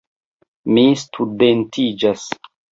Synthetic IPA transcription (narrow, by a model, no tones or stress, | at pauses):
mistʰudentʰid͡ʒas